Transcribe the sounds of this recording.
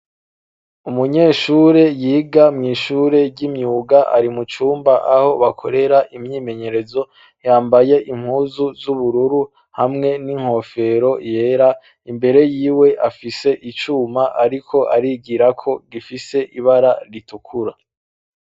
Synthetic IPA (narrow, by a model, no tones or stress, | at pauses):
umuɲe̞ːʃuɾe̞jiːɡamŋiːʃuɾe̞ɾɟimɲuːɡaʔa̰ɾimut͡ʃuːmbaʔaho̞βakʰo̞ɾe̞ɾaʔimɲiːme̞ɲe̞ɾe̞zo̞ | jaːmbaje̞ʔim̥huːzuzuβuɾuɾu | hamŋe̞niŋ̥ho̞fe̞ɾo̞je̞ːɾa | imbe̞ɾe̞jiːwe̞ʔafise̞ʔit͡ʃuːmaʔaɾikʰo̞ʔaɾiːɡiɾakʰo̞ɡifise̞ʔiβaɾaɾitukʰuɾa